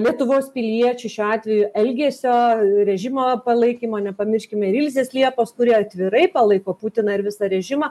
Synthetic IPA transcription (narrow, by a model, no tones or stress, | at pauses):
lʲiɛt̪ʊʋoːspʲɪlʲiɛt͡ʃʲʊʃʲuɑːt̪ʲʋʲɛjʊʔɛlʲɡʲeːsʲoːɾʲɛʒʲɪmoːpɐlˠɐɪkʲiːmoːnʲɛpɐmʲɪɾʲʃʲkʲɪmʲɛɪɾʲɪlʲzʲeːslʲiɛpoːskʊɾʲiɛɐt̪ʲʋʲɪɾɐɪpɐlˠɐɪkoːpuːt̪ʲɪnɐɪɾʋʲɪsɐɾʲɛʒʲɪmɐ